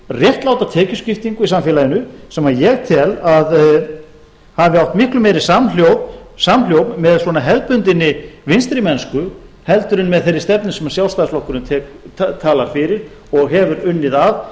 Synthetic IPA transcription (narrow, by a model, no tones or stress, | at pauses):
rjɛht̪lawt̪at̪ʰɛːcʏscɪft̪iŋkʏisamfɛlajɪnʏsɛmajɛɣt̪ʰɛlað | havɪawht̪mɪhklʏmeːjɾɪ̥samljowpsaml̥jowpnmɛðswɔnaɦɛlt̪̚pʏnt̪ɪnːɪvɪnst̪ɾɪmɛnskʏ | hɛlt̪ʏɾʏnmɛðθejɾːɪst̪ɛpnɪsɛmḁsjawlst̪aðsflɔhkʏɾʏnt̪ʰɛːkt̪ʰaːlaɾ̥fɪɾɪɾ̥ | ɔɣɦɛvʏɾʏnːɪðav